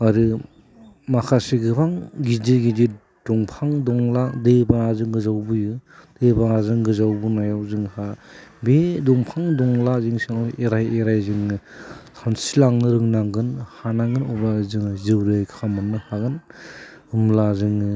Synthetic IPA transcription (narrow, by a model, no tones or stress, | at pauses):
aɾɯ | makʰasiɡɯbaŋɡidiɡidi | d̥ɔŋpʰaŋdɔŋladebaŋazɯŋɡɯzawbɯjɯd̥ebaŋazɯŋɡɯzawbɯnajawzɯŋhabedɔŋpʰaŋdɔŋlazɯŋsaŋeɾajeɾajzɯŋɯtʰansilaŋnɯɾɯŋnaŋɡɯnhanaŋɡɯnɔbazɯŋzɯwɾɯjkʰamɯnːɯhaɡɯn | ɯmlazɯŋɯ